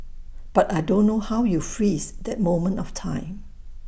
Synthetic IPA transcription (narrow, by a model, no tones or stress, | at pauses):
b̥atajdõnːohawjufɹisd̪ɛt̚mõmə̃ntɔftʰãɪ̃m